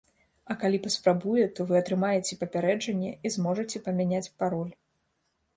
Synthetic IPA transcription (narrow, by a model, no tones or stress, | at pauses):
ɐkalʲipɐspɾabujɛt̪ɔvɨɐt̪ɾɨmajɛt͡sʲɛpɐpʲaɾɛd͡ʐɐnʲːɛizmɔʐɐt͡sʲɛpɐmʲanʲat͡sʲpaɾɔlʲ